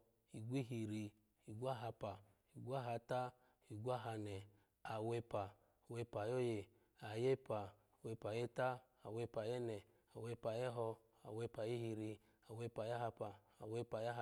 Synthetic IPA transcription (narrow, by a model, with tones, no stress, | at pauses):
i˨ɡʷi˦ɦi˧ɾi˧ | i˨ɡʷa˦ɦa˧pa˨ | i˨ɡʷa˦ɦa˧ta˦ | i˨ɡʷa˦˨ɦa˧nɛ˨ | a˨we˧pa˨ | we˧pa˨jo˦je˧ | a˨je˦pa˨ | we˧pa˨jɛ˦ta˦ | a˨we˧pa˨jɛ˦nɛ˨ | a˨we˧pa˨jɛ˦ɦɔ˧ | a̰˨we˧pa˨je˦ɦi˧ɾi˧ | a˨we˧pa˨ja˦ɦa˧pa˨ | a˨we˧pa˨ja˦˧